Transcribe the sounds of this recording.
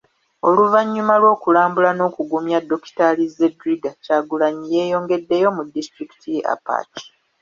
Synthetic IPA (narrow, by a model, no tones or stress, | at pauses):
o̞luvaɲːumalwo̞ːkulaːmbulano̞ːkuɡumjadːo̞ki̥talizedɾiɡacaːɡulaɲije̞ːjo̞ːŋɡe̞dːe̞jo̞mudːistɾiki̥tʰiʔa̰pa̰ːti̥